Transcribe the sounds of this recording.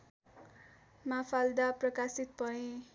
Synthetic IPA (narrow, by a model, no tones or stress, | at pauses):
mapʰald̪aprʌkasit̪̚pʌɦẽ